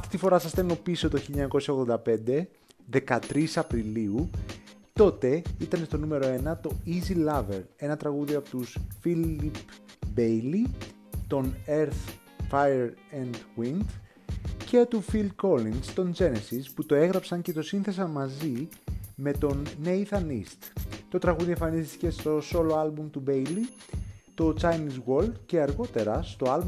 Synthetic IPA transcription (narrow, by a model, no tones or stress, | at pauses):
ɐft̪i̥t̪ifo̞ɾɐsɐst̪eno̞piso̞t̪o̞çiʎɐɲɐko̞sɐo̞ɣðo̞nd̪ɐpe̞nd̪e̞ | ðe̞kɐt̪ɾisɐpɾiliu | t̪o̞t̪e̞it̪ɐnest̪o̞nume̞ɾoe̞nɐt̪o̞izilɐve̞ɾe̞nɐt̪ɾɐɣuðioɐpot̪usfilipbejli | t̪o̞neɾθ | fɐjeɾend̪ɣwind̪ | cet̪ufild̪ko̞linst̪o̞nd͡ʒe̞nesisput̪o̞e̞ɣɾɐpsɐɲce̞t̪o̞sinθe̞sɐmɐzime̞t̪o̞nːeiθɐnist̪t̪o̞t̪ɾɐɣuðieɱfɐnist̪ice̞st̪o̞so̞lo̞ɐlbumt̪ube̞jlit̪o̞t͡sɐjniswold̪ce̞ɐɾɣo̞t̪e̞ɾɐst̪o̞ɐlb